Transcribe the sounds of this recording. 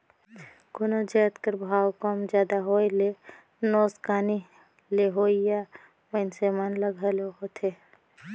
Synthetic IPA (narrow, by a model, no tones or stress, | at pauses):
ɡʊnod͡ʒɛːt̪kəɾbʱaːwkɔːmd͡ʒjaːd̪aɦoːile | noːskaːni | leɦoːija | mənsemaːnləɡɦɐloɦot̪ʰeː